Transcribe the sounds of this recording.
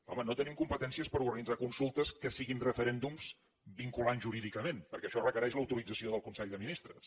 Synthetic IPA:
ɔ̰mənot̪ənimkumpət̪ɛnsiəspəɾuɾɣənid͡zakunsulˠt̪əskəsiɣinrəfəɾɛnd̪umz | biŋkulanʒuɾiðikəmenpəɾkɛəʃɔrəkəɾɛʃləwt̪uɾid͡zəsioðəlˠkunsɛʎðəminist̪ɾəs

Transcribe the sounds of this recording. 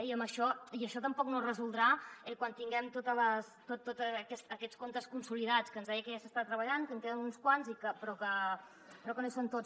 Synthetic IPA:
ɛiəmbəʃɔiəʃɔt̪əmpɔknorəzulˠd̪ɾaɛkwant̪iŋɡɛmt̪ot̪ələst̪ot̪ːot̪əːkɛst̪əkɛt͡sskont̪əskunsuliðat͡skənzðɛjəkəʒasəst̪at̪ɾəβəʎankəŋkeðənunskwanzikəpɾɔkə | pɾɔkənosont̪ot͡s

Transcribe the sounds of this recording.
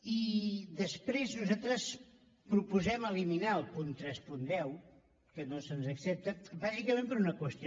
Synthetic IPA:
iðəspɾeznuzat̪ɾəs | pɾupuzɛməliminaəlˠpunt̪ɾɛspund̪ɛw | kənosənzəksep̚t̪əbazikəmẽmpəɾunəkwəst̪i

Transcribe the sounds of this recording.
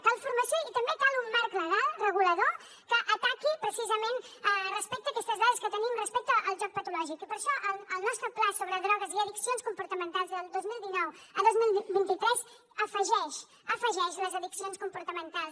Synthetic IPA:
t̪alˠfuɾməsjoit̪əmbet̪alˠumːaɾkləɣ̞alˠrəɣuləðo | kəʔət̪akipɾəsizəmenərəspɛk̚t̪əːkɛst̪əzðaðəskət̪ənimrəspɛk̚t̪əʔəlˠʒɔk̚pət̪ulɔʒikipəɾʃɔʔələlˠnɔst̪ɾəplasoβɾəðɾɔɣəziəðiksionskumpuɾt̪əmənt̪alˠzðəlˠd̪ozmilˠd̪inɔwəðozmilˠibint̪it̪ɾɛz | əfəʒɛʃ | əfəʒɛʃləzəðiksionskumpuɾt̪əmənt̪alˠs

